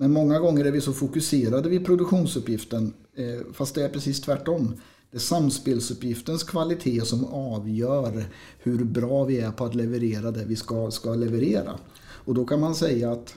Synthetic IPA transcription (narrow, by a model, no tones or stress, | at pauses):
mɛnmɔŋːaɡɔŋːəɾæɾvɪsɔfʊkɵseːɾad̪əvɪpʰɾʊd̪ɵkɧuːnsɵpːjɪft̪ən | fast̪d̪ɛæɾpʰɾɛsiːst̪ʰvæʈːɔm | d̪̥ɛæʂamspeːlsɵpjɪft̪ənskʰvalɪt̪ʰeːsɔmɑːvjœːɾ | hɵɾbɾɑːvɪæɾpʰɔat̪lɛvəɾeːɾad̪ɛvɪskaskalɛvəɾeːɾa̰ | ɔd̪ɔkʰanmansɛjːaːt̪